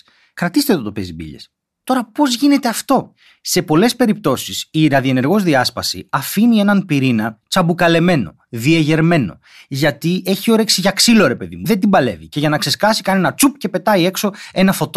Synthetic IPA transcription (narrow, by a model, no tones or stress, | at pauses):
kɾɐt̪ist̪e̞t̪ot̪opezibḭʎḛs | t̪o̞ɾɐpo̞zʝine̞t̪e̞ɐft̪o̞ | se̞po̞le̞spe̞ɾip̚t̪o̞sisiɾɐðie̞ne̞ɾɣo̞zðiɐspɐsḭɐfinie̞nɐnpiɾinɐt͡sɐbukɐle̞me̞no̞̰ | ðieʝe̞ɾme̞no̞̰ | ʝɐt̪ie̞çio̞ɾe̞ksiʝɐksilo̞ɾe̞pe̞ðḭmuðe̞nd̪imbɐle̞̰vice̞ʝɐnɐkse̞skɐsikɐne̞nɐt͡sup̚ce̞pe̞t̪ɐie̞kso̞e̞nɐfo̞t̪o